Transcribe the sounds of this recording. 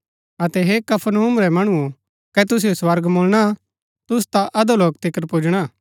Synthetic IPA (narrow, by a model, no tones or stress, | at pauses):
ɐt̪ɛɦekɐpʰnɦuːmɾɛmɐɽ̃uõ | kɛt̪̬ʊs̬ijoswɐɾɡmoːlɽ̃a | t̪ʊst̪aʔɐd̪oloːk̚t̪ɪkəɾpoːd͡ʒɽ̃aː